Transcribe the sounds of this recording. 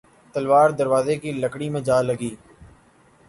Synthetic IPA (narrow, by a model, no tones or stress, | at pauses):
t̪əlʋaːɾd̪əɾʋaːzeːkiːləkɽiːmẽːd͡ʒaːləɡiː